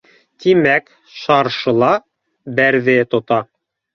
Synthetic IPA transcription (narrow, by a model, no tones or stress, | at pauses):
t̪imæk | ʃɑɾʃɤ̆lˠɑ | bæɾðɘt̪ŏt̪ɑ